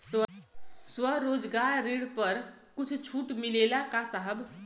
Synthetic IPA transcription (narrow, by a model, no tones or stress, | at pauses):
sʋəsʋəɾod͡zɡaɭɾiɽpəɾ | kut͡sʰt͡ɕʰuːʈmilelakasaɦəb